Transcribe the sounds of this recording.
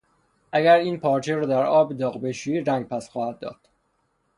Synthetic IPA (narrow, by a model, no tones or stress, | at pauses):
ʔæɡæɾiːnpʰɒːɾt͡ʃʰeɾɔːd̪æɾɒːbd̪ɒːɣbe̞ʃiiːɾæŋɡ̚pʰæsxɒːhæd̪̚ːɒ̰ːd̪̥